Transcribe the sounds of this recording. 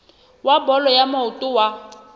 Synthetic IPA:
wabɔlɔjamaʊtʼʊwa

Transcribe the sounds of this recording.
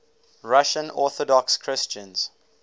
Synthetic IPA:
ɹaʃə̃nɔˑθɔdɔkskʰɹɪst͡ʃə̃nz̥

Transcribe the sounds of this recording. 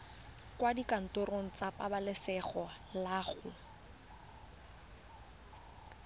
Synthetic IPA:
kwadikan̩toɾoŋ̩t͡sapʼabalɪsɛχɔ | laːχʊ

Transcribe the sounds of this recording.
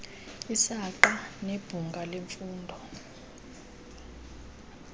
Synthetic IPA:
isaǃaneb̥ʱuŋɡʱaleɱfuːndʱɔ

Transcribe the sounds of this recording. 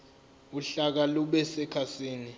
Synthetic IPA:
uɬak̬aluɓɛsɛkʰasiːni

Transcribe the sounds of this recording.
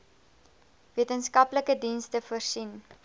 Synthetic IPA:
viətənskɐpləkədinstəfərsin

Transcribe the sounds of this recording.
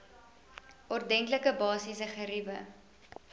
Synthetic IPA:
ʔɔrdɛŋkləkəbɑːsisəχəɾivə̰

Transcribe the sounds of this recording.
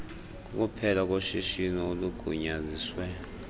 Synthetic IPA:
k̬ʼuk̬ʼupʰɛlak̬ʼoʃiʃinɔoluɡ̥ʱuɲaziːswɛ

